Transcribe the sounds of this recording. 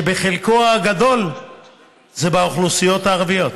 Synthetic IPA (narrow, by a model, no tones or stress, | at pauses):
ebeχelkoaɡad̪o̞l | ze̞baoχlusijo̞t̪aːʁvijo̞t̪